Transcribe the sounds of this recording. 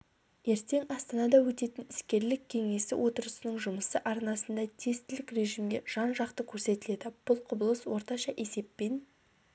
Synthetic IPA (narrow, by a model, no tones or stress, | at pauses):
je̞ɾt̪e̞ŋɑst̪ɑnɑd̪ɑwɵt̪e̞t̪ɪnɪskʲe̞ɾlɪkʲʰːe̞ŋe̞sɪ̰wʔo̞t̪əɾəsənəɴʒʊməsəʔɑɾnɑsənd̪ɑt̪ʰe̞st̪ɪlɪkre̞ʒimɡʲe̞ʒ̥ɑnʒɑqt̪əkʲʰɵɾse̞t̪ɪle̞d̪ɪb̥ʊlˠqʰʊbəlˠəswo̞ɾt̪ɑʃɑʔe̞se̞pːe̞n